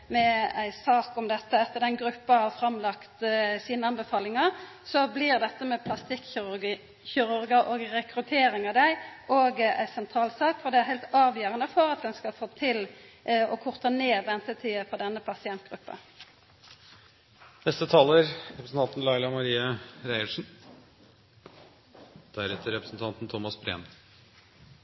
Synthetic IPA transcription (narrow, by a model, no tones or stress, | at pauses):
mɛæɪsɑːkɔmd̪ɛt̪ːəɛt̪ːəd̪ɛnɡɾʉpːɑhɑʁfɾɑmlɑkt̪siːnəɑnbəfɑːlɪŋɑʁ | sɔblɪʁd̪ɛt̪ːəmɛpʰlɑst̪ɪkː | çʏɾʉɾɡəɾʔɔɡʁɛkɾʉt̪ʰeːɾɪŋɑʋd̪æɪʔoɡæ̰ɪsɛnt̪ʰɾɑːlsɑːkfɔʁd̪ɛæɾɦæɪlt̪ɑːʋjøːɾənəfɔɾɑt̪̚d̪ɛnskɑfoːt̪ʰɪlɔkʰʊʁt̪əneːʋɛnt̪ət̪ʰɪəfɔʁd̪ɛnːəpʰɑsɪɛnt̪̚ɡ̥ʁʉpːə̰ | nɛst̪ət̪ʰɑːləɾɾɛpɾəsn̩t̪ɑnt̪n̩lɑɪlɑmɑɾiːɑɾæɪəʂn̩ | d̪̥æɾɛt̪əɾɛpɾəsn̩t̪ʰɑnt̪n̩t̪ʰɔmɑsbɾḛːn